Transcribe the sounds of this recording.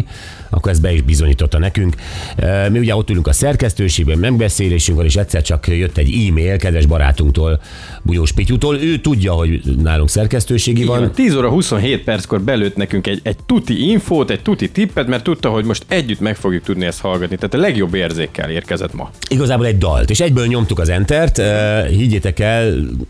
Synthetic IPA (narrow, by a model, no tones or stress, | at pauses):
ɒ̰kːoɾɛzbɛiʒbizo̞ɲiːt̪o̞t̪ːɒnɛkyŋkː | miuɟɛo̞t̪ːylyŋkɒsɛrkɛst̪øːʃeːɡbɛmɛɡ̚bɛseːleːʃyŋkʋɒneːʃɛt̪sɛrt͡ʃɒkjøt̪ːɛɟiːmeːlkɛd̪ʋɛʒbɒɾa̰ːt̪uŋkt̪oːl | bujoːʃpicut̪oːløːt̪uɟːɒɦo̞ɟnaːluŋksɛrkɛst̪øːʃeːɡivɒnt̪iːzoːɾɒɦuso̞nɦeːt̪̚pɛrt̪sko̞rbɛløːt̪nɛkyŋkɛɟɛɟ̚t̪ut̪iiɱfoːt̪ɛc̚t̪ut̪it̪ipːɛt̪mɛrt̪ːut̪ːɒɦo̞ɟmoʃt̪ɛɟːyt̪mɛkfo̞ɡjuk̚t̪ud̪niɛst̪hɒlɡɒt̪nit̪aːt̪ɒlɛɡjo̞bːeːrzeːkːɛ̰leːrkɛzɛ̰t̪mɒ̰iɡɒzaːboːlɛɟd̪ɒ̰lt̪eːʃɛɟbøːlɲo̞mt̪ukɒzɛnt̪ɛrt̪hiɟːeːt̪ɛkɛl